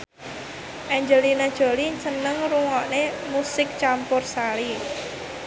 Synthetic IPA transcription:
ʔɛɲd͡ʒəlinad̥ʒ̥o̤lit͡ʃənəŋruŋɔʔnemusɪk̚t͡ʃampʊrsali

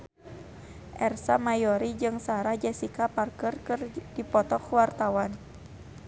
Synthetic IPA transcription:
ʔɛrsamajɔɾid͡ʒɨŋsaɾahd͡ʒɛsikaparkərkɨrdipɔt̪ɔkwart̪awan

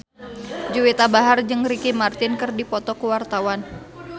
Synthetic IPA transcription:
d͡ʒuwit̪abaɦard͡ʒɨŋɾikimart̪ɪnkɨrdipɔt̪ɔkuwart̪awan

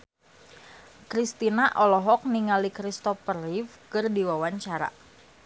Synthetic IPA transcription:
kɾist̪inaʔɔlɔɦɔk̚niŋalikɾist̪ɔfərifkɨrdiwawaɲt͡ʃaɾa̰

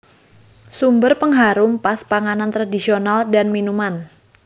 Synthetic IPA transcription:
sumbərpəŋɦaɾʊmpaspaŋanant̪ɾadisionaldanminuman

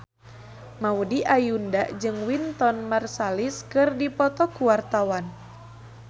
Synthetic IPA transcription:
maudiʔajundaʔd͡ʒɨŋwint̪ɔnmarsaliskɨrdipɔt̪ɔkuwart̪awan

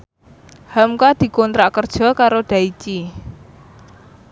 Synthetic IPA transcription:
hamkad̪̥i̤kɔnt̪ɾakərd̥ʒ̥ɔ̤kaɾoɖ̪̥ä̤it͡ʃi

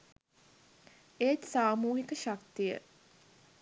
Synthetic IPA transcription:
et̪saːmuːɦikəʃakt̪ijə̰

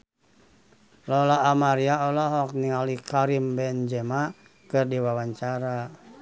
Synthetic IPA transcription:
lɔlaːmaɾiaɔlɔɦɔk̚niŋalikaɾimbɛnd͡ʒɛma | kɨrdiwawaɲt͡ʃaɾa

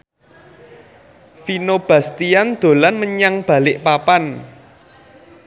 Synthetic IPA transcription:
finob̥ä̤st̪iand̪̥o̤lanməɲaŋb̥a̤lɪʔpapan

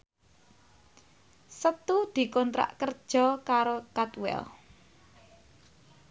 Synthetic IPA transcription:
sət̪ud̪̥i̤kɔnt̪ɾa̰ʔkərd̥ʒ̥ɔ̤kaɾokat̪wɛ̰l

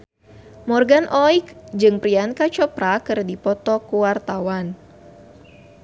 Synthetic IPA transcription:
mɔrɡanʔɔjkd͡ʒɨŋpɾiankat͡ʃɔpɾakɨrdipɔt̪ɔkuwart̪awan

